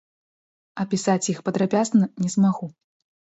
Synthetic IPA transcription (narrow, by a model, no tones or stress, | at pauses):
ɐpʲisat͡sʲjixpɐd̪ɾapʲasnɐnʲɛzmaɣu